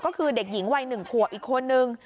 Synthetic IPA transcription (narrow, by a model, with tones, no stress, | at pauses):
kɔː˥˩kʰɯː˧de˨˩k̚ji˩˦ŋwa˧jnɯ˨˩ŋkʰu˨˩ək̚ʔiː˨˩kʰːo˧nːɯ˨˧ŋ